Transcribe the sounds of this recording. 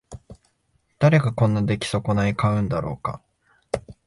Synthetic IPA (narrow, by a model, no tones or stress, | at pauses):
d̪̥aɾe̞ɡakõ̞nːad̪e̞kʲi̥so̞ko̞naikaɯ̟̃nd̪aɾo̞ːka̰